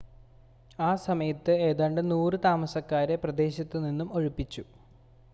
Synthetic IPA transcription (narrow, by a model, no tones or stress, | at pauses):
aːsɐmɐjɐt̪ːɨe̞ːðaːɳɖɨnuːrɨt̪aːmɐsɐkːaːɾeprɐd̪e̞ːɕɐt̪ːɨninːumo̞ɻupːit͡ɕːu